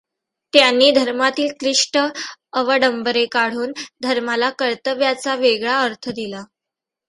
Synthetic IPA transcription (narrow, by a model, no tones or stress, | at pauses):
t̪janːiːd̪ʱəɾmat̪iːlkɾiʂʈəəʋəɖəmbəɾekaɽ̤uːnd̪ʱəɾmalakəɾt̪əʋjat͡saʋeɡɭaəɾt̪ʰəd̪ila